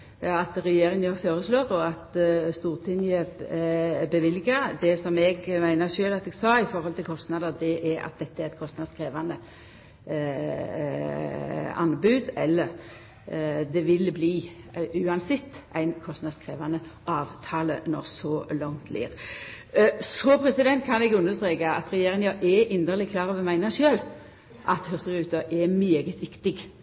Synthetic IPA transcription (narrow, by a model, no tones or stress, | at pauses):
ɑt̪ʁɛjeːɾɪŋjəføːʁəsloːʁɔɑt̪st̪uːʁt̪ʰɪnjə | bəʋɪlɡɑd̪ɛsɔmɛɡmæɪnəʂøːlɑt̪ɛɡsɑːɪfɔʁhɔlt̪ʰɪlkʰɔst̪nɑd̪əʁd̪ɛʔɛɾɑ̰t̪̚d̪ɛt̪ːəæʁɛt̪kʰɔst̪nɑd̪skʁeːʋɑnə | ɑ̰nbʉːd̪ɛlːəʁ | d̪ɛʋɪlbliːʉːɑnsɪt̪ːæ̰ɪnkʰɔst̪nɑd̪skʁeːʋɑnəʔɑːʋt̪ʰɑːlənɔ̰ʁsɔlɔŋt̪ʰlʔḭːʁ | sɔpʰɾɛsɪd̪ɛnt̪kʰɑnɛɡʉnːəst̪ʁeːkɑɑt̪ʁɛjeːʁɪŋjɑʔɛʔɪnd̪əlɪkʰlɑːʁɔʋɛmæɪnəʃøːl | ʔɑt̪hʉʁt̪əʁʉːt̪əʔɛmeːɡət̪ʰʋɪkt̪ɪɡ